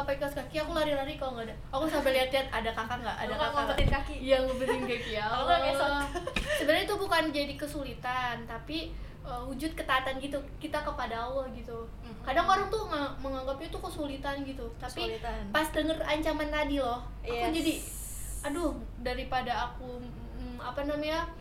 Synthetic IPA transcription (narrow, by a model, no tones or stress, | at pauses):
sapajkaskakiakulaɾilaɾikaloŋɡada | akusabaliɦat̪liat̪̚adakakaŋɡaʔadaakaət̪ɪnkakijaŋləbəɾiŋɡakiaaɛs | səbəɾat̪ubukand͡ʒadikəsulit̪ant̪api | əhud͡ʒʊt̪̚kət̪aːt̪ankit̪ukit̪akəpadaɔlɔhɡit̪u | kadaŋbaɾaŋt̪uŋaməŋaŋɡapɲat̪ukəsulit̪anɡit̪ut̪apinpasdəŋəraɲt͡ʃamant̪adilɔh | aud͡ʒadi | adʊh | daɾipadaːku | apanamaɲa